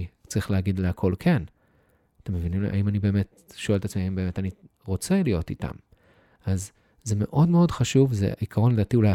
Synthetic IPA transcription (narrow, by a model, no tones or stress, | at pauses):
t͡saʁiχleaɡid̪leakʰo̞lkʰen | ate̞mːevinimlḭʔa̰imanibe̞me̞t | ʃoeletat͡smiaimbeme̞tani | ʁo̞t͡selijo̞tit̪a̰m | az | ze̞me̞ʔo̞dme̞o̞dχaʃuvzḛikʰaʁo̞nled̪aːtiula